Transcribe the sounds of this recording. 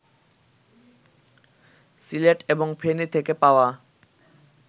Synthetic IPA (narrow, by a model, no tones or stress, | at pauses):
sileʈeboŋpʰenit̪ʰekepaoa